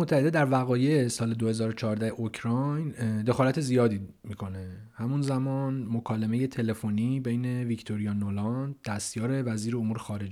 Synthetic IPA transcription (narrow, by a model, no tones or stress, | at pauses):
mot̪ʰːæhed̪ed̪æɾvæɣɒːjeesɒːled̪ohe̞zɒːɾot͡ʃʰɒːɾd̪æheʔocʰɾɒjnd̪e̞xɒːlæt̪ʰe̞zijɒːd̪iː | miːkʰo̞ne | hæmunzæmɒːnmokʰɒːlemeje̞t̪ʰe̞le̞foniːbe̞jne̞vict̪ʰo̞ɾijɒːnolɒnd̪̚d̪̥æst̪jɒːɾe̞væziːɾeomuːɾexɒːɾe̞d͡ʒ